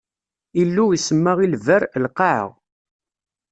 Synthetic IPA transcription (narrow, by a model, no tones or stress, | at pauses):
ilːuisəmːæʁilvəɾlqɑʕə̰ʁ